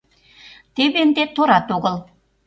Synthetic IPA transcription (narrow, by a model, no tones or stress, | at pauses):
t̪ebend̪et̪oɾɑt̪oɣə̆lˠ